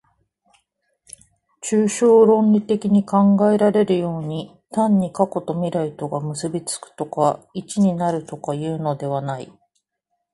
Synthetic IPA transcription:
t͡ɕɨːɕo̞ːɾõ̞nʲɾʲit̪e̞kʲiɲ̟ikãŋɡae̞ɾaɾe̞ɾɯ̟jo̞ːɲ̟i | t̪ãɲ̟ːikako̞t̪o̞mʲiɾait̪o̞ɡamɯ̟sɨbʲit͡sɨ̥kɯ̟̥t̪o̞kait͡ɕiɲ̟inaɾɯ̟t̪o̞kajɯ̟ːno̞d̪e̞β̞anai

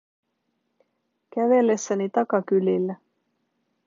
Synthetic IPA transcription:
kæʋe̞lːe̞sːænit̪ɑkɑkylːilːæ

